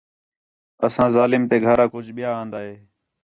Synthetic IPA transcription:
əsãːzaːlɪmt̪eːɡʱəɾaːkʊd͡ʒʱɓɪjaːãːnd̪aːɦeː

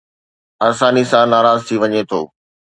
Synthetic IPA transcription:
aːsaːnisãnaːɾaːzt̪ʰiʋɐɲet̪ʰo̰ː

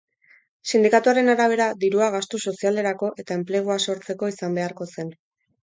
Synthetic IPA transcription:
sind̪ikat̪uaɾe̞naɾaβ̞e̞ɾad̪iɾuaɣ̞ast̪uso̞siale̞ɾako̞ʔe̞t̪ae̞mple̞ɣ̞uaso̞ɾt͡se̞ko̞isambe̞aɾko̞se̞n

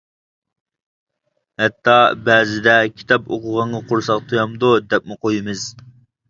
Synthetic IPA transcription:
hɛt̪ʰːɑbɛzɪd̪ɛkʲʰi̥t̪ʰɑpoqʊʁɑɴɑqʰʊɾsɑqt̪ʰujɑmd̪ud̪ɛp̚mɪqʰojɨmɨz̥

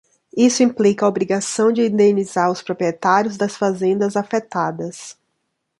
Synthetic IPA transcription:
isʊĩplikɐobɾiɡasɐ̃w̃d͡ʒɪĩnd̪ẽnizaɾʊspɾopɾiet̪aɾjʊzd̪ɐsfazẽnd̪ɐzafet̪ad̪ɐs

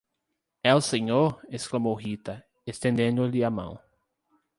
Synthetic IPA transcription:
ɛwseɲoɾesklɐmowɦit̪ɐ | est̪ẽnd̪ẽnd̪ʊlɪamɐ̰̃w̃

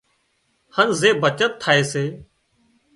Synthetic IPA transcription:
hənzeːbʱət͡ʃət̪ʰːaːeːseː

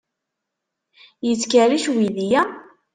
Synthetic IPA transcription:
jət͡sːkaɾiʃwiðijæ

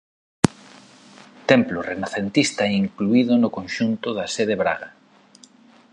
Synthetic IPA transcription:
t̪ɛmplʊrenaθent̪ist̪aɛiŋkluiðʊnʊkõnʃunt̪ʊðaseð̞eβɾa̰ɣa

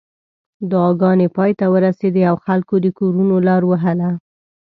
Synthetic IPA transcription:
d̪ʊɑɡɑnepɑjt̪awəɾased̪eawxalkod̪əkoɾunolɑɾwəɦəla

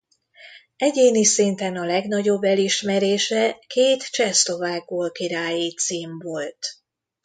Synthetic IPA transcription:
ɛɟeːnisint̪ɛnɒlɛɡn̪ɒɟo̞bːɛliʃmɛɾeːʃɛkeːt̪t͡ʃɛslo̞vaːɡ̚boːlkiɾaːjit̪siːmvo̞lt̪

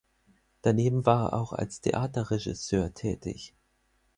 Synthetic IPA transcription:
d̥aneːbm̩vaːɐḛɐʔa̰ʊxa̰lstʰḛʔaːtɐʁɛʒɪ̰søːɐtʰɛːtɪ̰ç

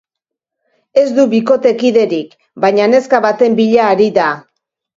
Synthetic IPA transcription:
e̞zd̪uβiko̞t̪e̞kiðe̞ɾik | bajɲane̞skaβat̪e̞mbiʎaːɾiða

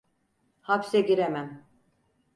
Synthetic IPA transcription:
hapsɛɟiɾemæn

